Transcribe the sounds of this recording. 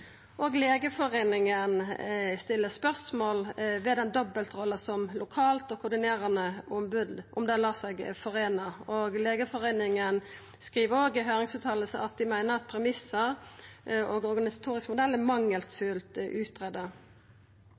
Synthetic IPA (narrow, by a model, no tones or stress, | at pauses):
ʔoːɡleːɡəfɔʁeːnɪŋənst̪ɪlːəspœʁsmoːlʋɛd̪ɛnd̪ɔbəlt̪ʁɔlːəsɔmlʊkʰɑːlt̪oːkʰʊd̪ɪneːʁənəʊmbʉd̪ʔʊmd̪ɛlɑːsæɪɡfɔʁeːnəoːɡleːɡəfɔʁeːnɪŋən | skʁiːʋəoːɡɪɦøːɾɪŋsʉːt̪ʰɑːləsəʔɑt̪̚d̪ɪmæɪnəʁɑt̪̚pʰɾɛmɪsəɾ | oːɡɔʁɡɑnɪsɑ̥t̪ʰuːɾɪskəmʊd̪ɛlːæmɑŋːəlt̪fʉːlt̪ʉːt̪ʁɛd̪ə